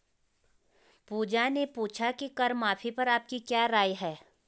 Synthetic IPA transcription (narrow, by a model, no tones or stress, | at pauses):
puːd͡ʒanepuːt͡ʃʰakikɐɾmaːpʰipɐɾaːp̚kikjaːɾaːjɦɛː